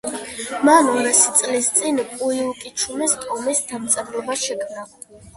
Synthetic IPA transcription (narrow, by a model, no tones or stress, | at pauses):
manɔɾasi̥t̪sʼlist̪sʼinpʼuiukʼit͡ʃʰumɛst̪ʼɔmisd̪amt̪sʼɛɾlɔbaʃɛkʰmna